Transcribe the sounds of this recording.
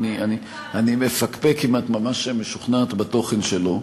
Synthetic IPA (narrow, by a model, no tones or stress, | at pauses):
niani | animefakpekimat̪mamaʃemeʃuχnaːt̪bat̪o̞χenʃelo